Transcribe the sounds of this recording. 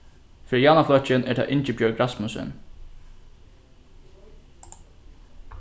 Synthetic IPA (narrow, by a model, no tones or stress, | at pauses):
fɪːɾɪjaːnaflœht͡ʃɪnɛɹt̪ʰa̰ːʔɪɲt͡ʃɪbjœɹɡɾasmʊsɪ̰n